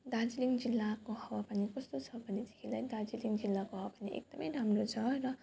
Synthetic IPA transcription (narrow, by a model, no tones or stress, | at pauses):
d̪ad͡ziliŋd͡zilːakoɦʌwapʌnikʌst̪ot͡sʰʌbʱʌned̪e̥kʰilajd̪ad͡ziliŋɡd͡zilːakoɦʌwapʌniʔḛk̚d̪ʌmʌjɾamrot͡sʰʌrʌ